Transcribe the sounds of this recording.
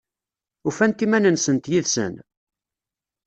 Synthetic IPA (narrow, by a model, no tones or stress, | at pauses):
ufænt̪imænənsənt̪jiðsə̰n